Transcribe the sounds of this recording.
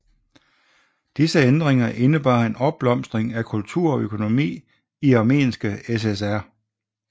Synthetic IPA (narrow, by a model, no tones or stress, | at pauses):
d̥isəend̥ʁeŋɐʔe̝nəb̥ɑ̈ːe̝nɒ̽b̥̚b̥lɒ̽m̰sd̥ʁeŋækʰult͡sʰuɐ̰ɒ̽økʰo̝no̝mḭː | iɑ̈me̝̰ːnsɡ̥əesesæɐ̰